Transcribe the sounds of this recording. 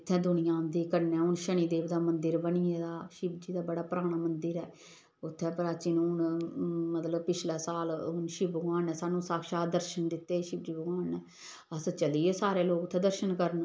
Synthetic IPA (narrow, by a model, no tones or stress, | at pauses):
ɪt̪ʰːɛ̃ːd̪ʊnɪjãːd̪iːkənɛ̃ːʊnʃəɳ̃iːd̪eːʋd̪aːmənd̪əɾbənieːd̪aːʃɪbd͡ʒiːd̪aːbəɽaːpəɾaːɽ̃aːmənd̪əɾɛː | ʊt̪ʰːɛ̃ːpɾaːt͡ʃiːnũʊnmət̪ləbpɪt͡ʃlɛːsaːlʊnʃɪbəɡaːnɛ̃ːsaːnũːsaːkʃaːd̪əɾʃənd̪ɪt̪ːeːʃɪb̚d͡ʒiːbəɡaːnːɛː | əst͡ʃəliːeːsaːɾeːloːkʊt̪ʰːɛ̃ːd̪əɾʃənkəɾən